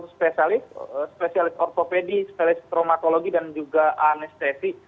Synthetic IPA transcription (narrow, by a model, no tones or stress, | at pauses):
spesialɪsspesialɪsɔrt̪opedispelɪst̪ɾomat̪oloɡidand͡ʒuɡaʔanɛst̪esi